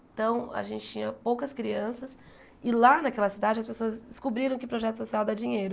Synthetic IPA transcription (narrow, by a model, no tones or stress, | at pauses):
t̪ɐ̃w̃a̰ʒẽnt͡ʃɪt͡ʃĩɲɐpowkɐskɾiɐ̃sɐs | ɪlanɐkɛlɐsid̪ad͡ʒɪɐspesoɐzd̪ɪskobɾiɾɐ̃w̃kɪpɾoʒɛt̪ʊ̥sosiawd̪ad͡ʒĩɲejɾʊ